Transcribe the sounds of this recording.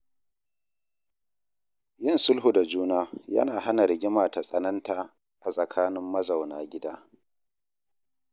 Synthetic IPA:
jɪ˦nsʊ˦lɦu˨da˨d͡ʒuː˦naː˦jɐ̰˦naː˨ha˦na˨ɾɪ˨ɡʲɪ˦maː˨ta˨sʼɐ˦nɐ˦ntaː˨ | ʔa˨sʼɐ˨kʰaː˦nɪ˦mːɐ˦za˨wnaː˦ɡʲɪ˦daː˦

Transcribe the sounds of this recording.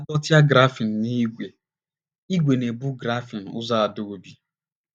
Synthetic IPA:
a˦dɔ˦tja˦ɡɾa˦fi˨n̩˨ni˦ɡʷe˨ | i˦ɡʷe˨ne˨bu˦ɡɾa˦fi˨n̩˨ʊ̰˦za˦a˨do˦˨o˨bi˨

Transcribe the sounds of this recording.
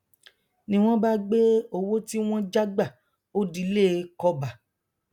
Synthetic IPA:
nĩ˧w̃ɔ̃˦ba˦ɡ͡be˦o˧wo˦ti˦w̃ɔ̃˦d͡ʒa˦ɡ͡ba˦˨ | o˦di˦le˦˨˦kɔ˧˦ba˨

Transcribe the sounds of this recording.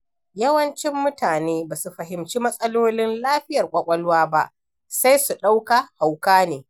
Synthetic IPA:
jɐ˦wɐ˦nt͡ʃɪ˦mːʊ˦taː˨neː˦baː˨su˨ɸɐ˨ɦɪ˨mt͡ʃi˦mɐ˦sʼɐ˦loː˦lɪ˦nlaː˦ɸɪ˦jɐ˨rkʷʼɐ˦kʷʼɐ˦lwaː˦ba˦ʔ | sa˦jsu˨ɗa˦wka˨ha˨wkaː˦neː˨

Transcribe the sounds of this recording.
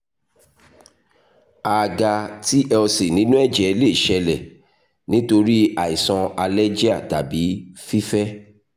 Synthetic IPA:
a˨ɡa˧ti˦ʔɛ˧ɔ˧se˨nĩ˨˦nũ˦ɛ˦˨d͡ʒɛ˨le˦˨ʃɛ˧lɛ˨ | nĩ˨˦to˧ɾi˦a˨i˨sɔ̃˧a˧lɛ˦d͡ʒi˦a˦˨ta˨bi˨˦fi˦fɛ˦

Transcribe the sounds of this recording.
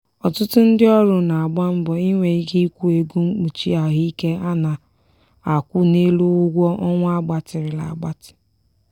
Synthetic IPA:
ɔ˨tʊ˦tʊ˦n̩˦dɪ˦ɔ˦ɾʊ˨na˨a˨ɡ͡ba˦m̩˦bɔ˨i˦ŋʷe˨i˦ɡi˦kʷu˦e˨ɡu˦ŋ͡m̩˦k͡pu˨t͡ʃḭ˦a˨ɦi˦i˦ke˦a˦na˨ | a˨kʷu˦ne˦lu˦ʊ˦ɡʷɔ˦ʔɔ˦ŋʷ˦a˦ɡ͡ba˨tɪ˨ɾɪ˨la̰˨a˨ɡ͡ba˦tɪ̥˨

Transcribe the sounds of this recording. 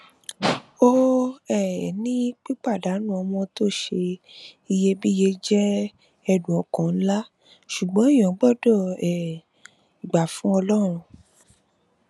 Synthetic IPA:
o˦ɛ˦˨nĩ˦k͡pi˦k͡pa˦˨da˨˦nũ˦˨ɔ˧mɔ̃˧to˦˨ʃe˧i˧je˧˦bi˦je˧d͡ʒɛ˦ | ɛ˧dũ˨ɔ˨kã˨n̩˦la˦ | ʃu˨ɡ͡bɔ̃˦i˦jɔ̃˨˦ɡ͡bɔ˦˨dɔ˦˨ɛ˨ | i˨ɡ͡ba˨fũ˦ɔ˧lɔ˦ɾ̃ũ˧

